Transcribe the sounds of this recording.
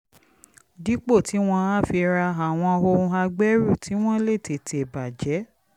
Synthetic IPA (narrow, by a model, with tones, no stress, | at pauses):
di˨˦k͡po˦˨tʰi˨˦w̃ɔ̃˧a˦fi˧ɾa˧a˨w̃ɔ̃˧o˧ũ˧a˧ɡ͡bɛ˦ɾu˦˨tʰi˨˦w̃ɔ̃˦le˦˨te˨tʰe˨ba˨d͡ʒɛ˨˦